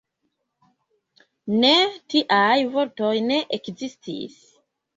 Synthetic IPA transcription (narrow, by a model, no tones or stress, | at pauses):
ne̞tiʔajvo̞ɾto̞jne̞ʔekzistʰḭs